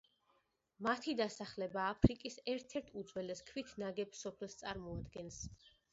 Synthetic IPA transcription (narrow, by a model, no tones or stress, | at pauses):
mat̪ʰid̪asaχlɛbaːpʰɾikʼisɛɾt̪ʰɛɾt̪ʰud̪zwɛlɛskʰvit̪ʰnaɡɛpsɔpʰɛlˠst̪sʼaɾmɔad̪ɡɛns